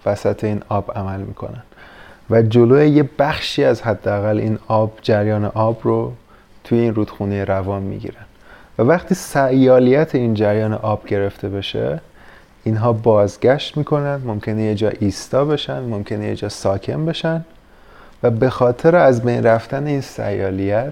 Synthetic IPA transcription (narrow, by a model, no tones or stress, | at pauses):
væsæt̪ʰe̞iːnɒːb̥æmælmḭːkʰo̞̰nænvæd͡ʒo̞loːjejebæxʃiːæzɦæd̪ːeæɣælʔḭːnɒːbd͡ʒæɾjɒːnḛʔɒːbro | t̪ʰujeiːnruːd̪̥xuːnejeɾævɒːnmḭɟḭɾæn̥vævæχt̪ʰiːsæjɒːlijæt̪ʰeiːnd͡ʒæɾjɒːnḛʔɒːb̥ɟe̞ɾe̞ft̪ʰe̞be̞ʃḛ | iːnɦɒːbɒːzɟæʃt̪miːkʰo̞nænd̪momcʰe̞nejed͡ʒɒːʔiːst̪ɒːbe̞ʃænd̪momcʰe̞nejḛd͡ʒɒːsɒːcʰe̞mbe̞ʃænd̪ | væbe̞xɒːt̪ʰe̞ɾeæzbejnræft̪æneiːnsæ̰jɒːlijæt̪